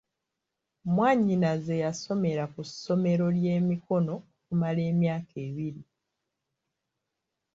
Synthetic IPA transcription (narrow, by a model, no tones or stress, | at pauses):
mwaːɲinaze̞jaso̞me̞ɾakusːo̞me̞ɾo̞lje̞ːmiko̞no̞okumale̞ːmjaːkʰe̞ːβiɾi